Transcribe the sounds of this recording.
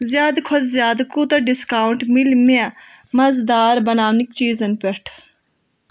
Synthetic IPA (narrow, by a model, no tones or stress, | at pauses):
zjaːd̪kʰʊd̪zjaːd̪kut̪ɐɖɪskaːʊɳʈmɪlmea | mɐzd̪aːɾbənaːʋnɪkt͡ʃiːzənpɛʈʰ